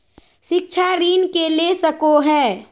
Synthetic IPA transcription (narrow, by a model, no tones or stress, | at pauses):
ʃɪk̚t͡ʃʰaɾiːnkelesəkoɦɛː